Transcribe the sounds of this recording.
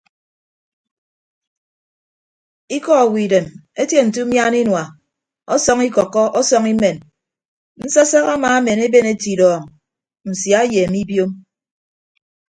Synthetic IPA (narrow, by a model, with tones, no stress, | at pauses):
i˦kɔ˦˨wi˨de˨me˦tje˦n̩˨t̬u˦mja˦ni˦nwa˨ | ɔ˦sɔ˦ŋi˦kɔ˨kːɔ˦ʔɔ˦sɔ˦ŋi˦me˨n | n̩˦sa˦sa˦ɣa˦maː˨a˦me˨ne˦be˦ne˦ti˨dɔː˨ŋ˨ | n̩˨sja˨˦je˨mi˦bjo˦m